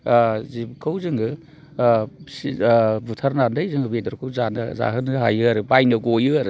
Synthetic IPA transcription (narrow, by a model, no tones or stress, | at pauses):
zibkʰɯwzɯŋɯ | sibutʰaɾnandɯjzɯŋɡɯbedɔɾkʰɯwzanɯza̰ɦɯnɯɦajɯaɾɯbajnɯɡojɯaɾɯ